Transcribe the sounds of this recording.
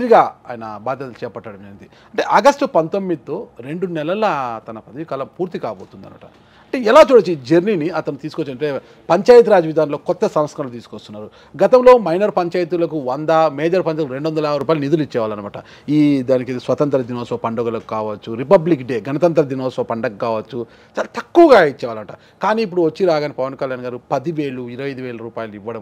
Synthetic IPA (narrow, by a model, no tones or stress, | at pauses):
ɾiɡaːaːjɐnɐbaːd̪ʱjɐt̪ɐlt͡ʃɛːpɐʈːɐːɽɐmd͡ʒɐnd̪i | ɐɳʈe̞ːʔɐɡɐsʈpɐnt̪o̞mːid̪it̪o̞ːɾe̞ɳɖunɛlɐlɐt̪ɐnɐpɐd̪ɐjikɐːlɐmpuːɾt̪ikaːboːt̪und̪ɐ̰nma̰ːʈɐ̰ | ɐɳʈeːɛlaːt͡ʃuːɽɐt͡ʃːuid͡ʒeɾniniɐt̪ɐnut̪iːsukot͡ʃːiɐʈe | pɐɲt͡ʃaːjɐt̪̬uɾaːd͡ʒɐʋid̪ʱaːnlo̞ːkɔt̪ːɐsɐmɐskɐnlot̪iːsu̥kost̪unːaːɾu | ɡɐt̪ɐmlo̞ːmɐjnɐɾpɐɲt͡ʃaːjɐt̪̬ulɐkuʋɐnd̪ɐmeːd͡ʒɐɾpɐɲt͡ʃaːt̪uuɾe̞ɳɖuʋɐnd̪ɐlɐɾuːpajlunid̪ulit͡ʃːɛːʋaːlɐnɐmaːʈɐ̰ | iːd̪aːnikid̪isʋɐt̪ɐnt̪ɐɾɐd̪inɔːsɐɐpɐɳɖoɡɐlɐku̥kaːʋɐt͡ʃːuɾipɐblikɖeːɡɐnɐt̪ɐnt̪ɾɐd̪inoːsɐʋɐpɐɳɖɐk̚kaːʋɐt͡ʃːu | t͡ʃaːlat̪ɐkːuʋɐɡaːit͡ʃːɛːʋaːlɐmɐʈɐ̰ | kaːniːp̬ːuɽuʋɐt͡ʃːiɾaːɡaːnipɐʋɐnkɐljaːnɡaːɾupɐd̪iʋe̞ːɭuiɾɐʋɐjd̪uʋeːlɐɾuːpaːjɐliʋːɐɽɐm